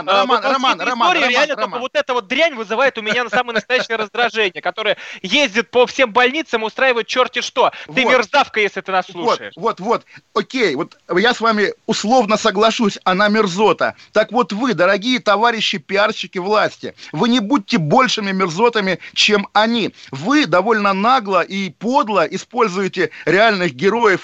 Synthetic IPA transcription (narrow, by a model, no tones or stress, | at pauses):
nrɐmnɐmanrɐmaoɾʲɪɾʲɪalnəroməvot̪ɛt̪əvo̞t̪̚d̪ɾʲænʲvɨzɨvajɪt̪ʊmʲɪnʲanəsaməɨənəst̪ɐjæɕɪəɾəzd̪ɾɐʐɛnʲɪjəkɐt̪o̞ɾəjəjezʲdʲɪt̪̚pəfsʲe̞mbɐlʲnʲit̪səmʊst̪ɾajɪvəjʊt̪̚t͡ɕo̞rtʲɪʂt̪o̞vɨmʲɪrzafkəjesʲlʲɪt̪ɨnasːlˠuoəɪ̰ʂvot̪vo̞t̪okʲejvo̞t̪jasvamʲɪʊslˠo̞vnəsəɡlˠɐʂusʲɐnamʲɪrzo̞t̪ə̰t̪akvo̞t̪vɨd̪əɾɐɡʲijət̪ɐvaɾʲɪɕːɪpʲɪarɕːɪkʲɪvlˠasʲtʲɪ̰vɨnʲɪbud̚ʲɪtʲːɪbo̞lʲʂɨmʲɪmʲɪrzo̞t̪əmʲɪt͡ɕe̞mɐnʲivɨd̪ɐvo̞lʲnənaɡlˠəʔipo̞d̪lˠəʔɪspo̞lʲzʊjɪtʲɪɾʲɪalʲnɨxɡʲɪɾo̞jəf